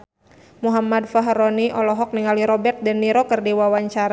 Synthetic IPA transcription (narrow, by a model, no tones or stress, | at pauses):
muɦamadfaɦɾɔniʔɔlɔɦɔk̚niŋaliɾɔbɛrt̪̚dənːiɾɔkərdiwawaɲt͡ʃaɾa